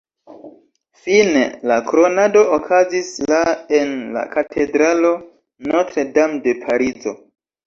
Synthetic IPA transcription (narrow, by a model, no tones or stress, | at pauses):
finelakɾo̞nado̞ːkʰazislae̞nla̰katʰe̞dɾalo̞ | notɾedamde̞pʰaɾizo̞